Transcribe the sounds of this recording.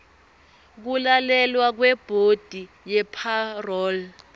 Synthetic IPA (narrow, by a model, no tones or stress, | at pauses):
k̬ulalɛlwak̬wɛb̥ʱod̥ʱi | jɛpʰarɔːl